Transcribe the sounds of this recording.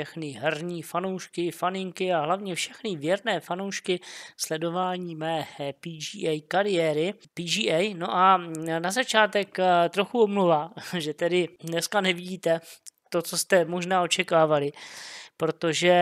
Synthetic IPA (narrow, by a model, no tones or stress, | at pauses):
ɛxnɪɦɛrɲiːfanowʃkɪfanɪŋkɪaɦlavɲɛfʃɛxnɪvjɛɾnɛːfanowʃkɪslɛdo̞vaːɲiːmɛːpiːd͡ʒiːʔɛjkaɾɪjɛːɾɪ | piːd͡ʒiːʔɛjno̞ʔanazat͡ʃaːt̪ɛkt̪ɾoxuomluvaːʒɛt̪ɛdɪdnɛskanɛvɪɟiːt̪ɛt̪o̞t͡so̞st̪ɛmo̞ʒnaːo̞t͡ʃɛkaːvalɪpɾo̞t̪o̞ʒɛ